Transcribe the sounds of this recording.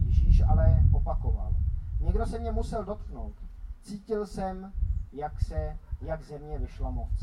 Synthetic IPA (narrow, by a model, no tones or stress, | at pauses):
jɛʒiːʃʔa̰lɛʔopakova̰lɲɛɡdo̞sɛmɲɛmusɛldo̞t̪̚kno̞wt̪t͡siːcɪlsɛmjaksɛjaɡzɛmɲɛvɪʃlamot͡s